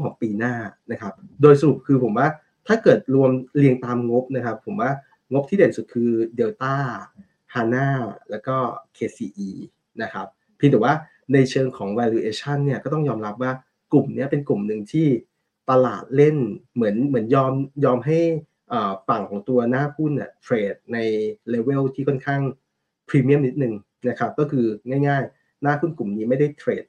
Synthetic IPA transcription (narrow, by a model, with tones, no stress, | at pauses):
ŋʰɔː˩˦ŋpiː˧naː˥˩na˦˥kʰa˦˥p̚doː˧jsa˧ɾu˨˩p̚kʰɯː˧pʰo˩˦mwaː˥˩ | t̪ʰaː˥˩kɤː˨˩t̪̚ɾu˧əmli˧əŋt̪aː˧mŋo˦˥p̚na˦˥kʰa˦˥pʰːo˩˦mwaː˥˩ | ŋo˦˥p̚t̪ʰiː˥˩e˨˩˦nsu˨˩t̪̚kʰɯː˧deː˧wt̪aː˥˩ | hʰaː˧naː˥˩lɛː˦˥wkɔː˥˩kʰeː˧siː˧ʔiː˧ | na˦˥kʰa˦˥p̚ʰːiː˧nt̪ʰi˨˩waː˥˩ | na˧jt͡ɕʰɤː˧ŋkʰɔː˩˦ŋwɛː˧liː˧ʔeː˧t͡ɕʰa˥˩nːi˥˩ɐkɔː˥˩t̪ɔ˥˩ŋjɔː˧mɾa˦˥p̚waː˥˩ | klu˨˩mni˦˥˩ɐpe˧nku˨˩mnɯ˨˩ŋt̪ʰiː˥˩ | p̪a˧la̰ː˨˩t̪̚le˥˩nmɯ˩˦ənmɯ˩˦ənjɔː˧mjɔː˧mɦa˥˩j | ʔəː˨˩fa˨˩ŋkʰɔː˩˦ŋt̪u˧ɐnaː˥˩pʰu˥˩ni˥˩ɐt̪ʰɾeː˧˩t̪̚na˧jleː˧we˥˩wt̪ʰiː˥˩kʰɔ˥˩nkʰaː˥˩ŋ | pʰɾiː˧mi˥˩əmni˦˥t̪̚nɯ˨˧ŋ | na˦˥kʰa˦˥p̚kɔː˥˩kʰɯː˧ŋaː˥˩jŋaː˥˩j | naː˥˩pʰu˥˩nklu˨˩mniː˦˥ma˥˩jda˥˩jt̪ʰɾeː˨˩t̪̚